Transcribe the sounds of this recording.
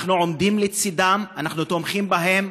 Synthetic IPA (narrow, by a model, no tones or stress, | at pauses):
χnuʕo̞md̪imlet͡sid̪amanaχnut̪o̞mχimbaɦe̞m